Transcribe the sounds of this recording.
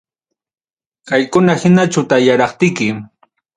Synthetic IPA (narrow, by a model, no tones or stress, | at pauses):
kajkʊnahɪnat͡ʃawt̪ajaɾɑχt̪ɪjkɪ